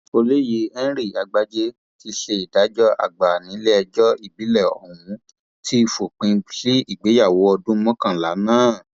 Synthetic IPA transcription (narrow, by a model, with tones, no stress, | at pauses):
o˧le˦je˨˦ɛ̃˦ɾi˦˨a˧ɡ͡ba˧d͡ʒe˧ | ti˧ʃe˧i˨da˨˦d͡ʒɔ˦ʔa̰˨ɡ͡ba˨nĩ˨˦lɛ˦ɛ˧d͡ʒɔ˦i˦˨bi˨˦lɛ˦˨ɔ˨hũ˨˦ | ti˦˧fo˨k͡pĩ˧li˦i˦˨ɡ͡be˨˦ja˦˨wo˨˦ɔ˧dũ˦mɔ̃˦kã˦˨la˨˦nãː˦˨